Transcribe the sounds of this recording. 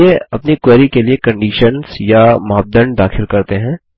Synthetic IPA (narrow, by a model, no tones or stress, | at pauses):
eɐpnikwɛːɾikeliekɐ̃ɳɖiːʃənzjamaːb̚d̪ənd̪aːxɪlkɐɾt̪eɦɛ̃ː